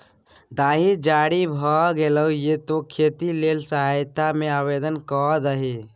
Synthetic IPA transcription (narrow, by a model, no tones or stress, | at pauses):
d̪aːɦid͡ʒaːɾibʱɔɡeləujet̪okʰet̪ilelsəɦajt̪amẽabed̪ənkɔd̪əɦi